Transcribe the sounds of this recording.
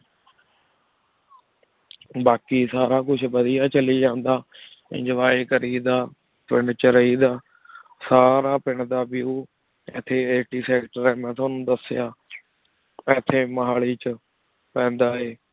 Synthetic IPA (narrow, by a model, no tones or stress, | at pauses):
baːkiːsaːɾaːkʊt͡ʃʰbəd̪ɪjaːt͡ʃəliːd͡ʒãːnd̪aː | ɪ̰̃d͡ʒʋaːikəɾiːd̪aː | pɪɳt͡ʃəɾəiːd̪aː | saːɾaːpɪɳd̪aːbɪjuː | ɛt̪ʰːeːeːʈiːsɛːkʈəɾɛːmɛ̃ːt̪ʰʊaːnũːd̪əsjaː | ɛːt̪ʰːeːməɦaːɭiːt͡ʃə | pɛ̃ːnd̪aːɦeː